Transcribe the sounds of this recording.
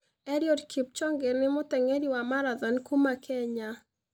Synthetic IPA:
ɛɾjodkʰip̚t͡ʃɔŋɡeɾnɪmʊtɛŋeɾiwamaɾaðɔnkumakʰɛɲa

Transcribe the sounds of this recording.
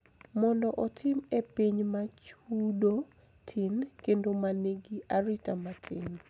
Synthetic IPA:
mɔndɔʔɔtʰɪmepiɲmat͡ʃudo | tʰɪnkendomaneɡiʔaɾitamatʰɪn

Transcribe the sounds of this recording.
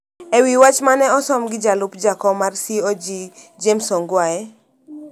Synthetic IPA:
ewiwat͡ʃmanɛɔsɔmɡɪd͡ʒalʊpd͡ʒakɔmarsiɔd͡ʒid͡ʒemsɔŋɡwaɛ

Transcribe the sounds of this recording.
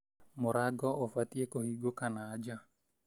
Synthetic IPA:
mɔɾaɡɔofat̪iekohiɡokanaːd͡ʒa

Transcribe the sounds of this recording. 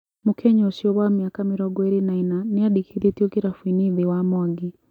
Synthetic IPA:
mukʰɛɲɔsiɔβwamiakamiɾɔɡɔeɾinainaneaɗikʰiðitiɔkiɾafwiniðiwamwaɡi

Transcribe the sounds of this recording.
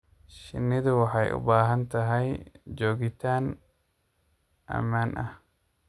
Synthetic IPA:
ʃɪ̰nːɪd̪ʊwɑħɑjʔʊ̰baːɦɐnt̪ɐɦɐjd͡ʒoːɡɪt̪ʰaːn | ʔɐ̰maːnʔɐh

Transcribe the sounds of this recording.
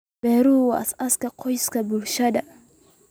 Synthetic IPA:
bɛɾuwasaskaqʰojskabulʃada

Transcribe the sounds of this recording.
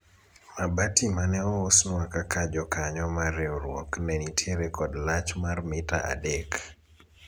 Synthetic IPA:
mabatimanɛɔosnɔakakad͡ʒɔkaɲɔmarɛoɾwɔknɛnitʰjeɾekɔdlat͡ʃmarmita̰ʔa̰dek

